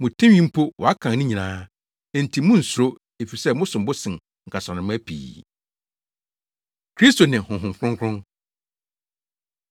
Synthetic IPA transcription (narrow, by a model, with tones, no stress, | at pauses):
mʊ̃˨tʰɛ̃˦ɥĩ˦m̩˦pʰo˦wɔ˨a˦kʰã˨nnɪ̃˦ɲĩ˨nãː˦˨ | n̩˨tʰi˨mʊ̃˦n̩˨sʊ˨ɾo˦ | e˨fi˨sɛ˦˨mʊ̃˦sʊ̃˨mbʊ˦sɪ̃˨n | ŋ̩˨kʰa˨sɔ̃˨nɪ̃˨m˦æ˦pʰḭː˨ | kʰɾi˦sto˨nɪ̃˨hʊ̃˨ɦʊ̃˨mfʰɾʊ̃˦ŋkʰʊ̃˦n